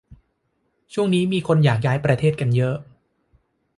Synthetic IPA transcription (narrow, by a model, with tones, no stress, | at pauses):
t͡ɕʰu˥˩əŋniː˦˥miː˧kʰo˧njaː˨˩k̚jaː˦˥jpɾa˧t̪ʰeː˥˩t̪̚ka˧njɤ˦˥ʔ